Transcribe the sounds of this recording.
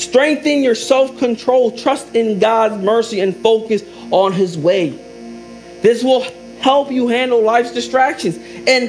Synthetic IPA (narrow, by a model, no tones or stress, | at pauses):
stɹ̥ɛ̃ŋk̚θɨ̃njə˞sɛlˠfkʰɨ̃ntʰɹ̥oʊlˠtʰɹ̥ʌstɪ̃nɡɑdzmɜ˞siɨ̃nfoʊkɨs | ə̃n̩ɪzweɪ | ðɪswɪlˠ | hɛlˠpjɨɦæ̃ndˡl̩ˠlaɪfsdɨstɹ̥ækʃɨ̃nzɨ̃n